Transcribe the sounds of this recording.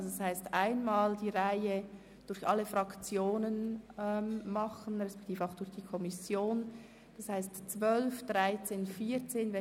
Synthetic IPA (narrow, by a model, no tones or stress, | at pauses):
zoashaɪstʔaɪnmaːldiːʁaɪə | d̥ʊɾçʔɑlːəfɾɑkt͡sjoːnənɛmmɑχən̩ʁɛspɛ̥ktʰiːfaʊxd̥ʊɾçd̥iːkʰɔmisjoːn | d̥ɑshaɪstt͡svœlfd̥ʁaɪt͡seːnfiːt͡seːnvɛ